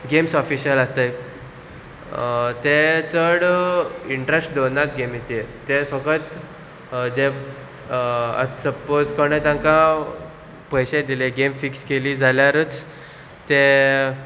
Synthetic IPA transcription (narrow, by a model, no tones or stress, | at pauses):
ɡemsɔfiɕələst̪e | t̪et͡səɽiɳʈɾesʈ̚d̪onat̪̚ɡemit͡ɕiet̪efəkət̪ | d͡ze | ə̰səpod͡zkɔɽ̃ẽt̪ãŋkã | pəjɕed̪ileɡemfikskelid͡zʱaljaɾət͡s | t̪e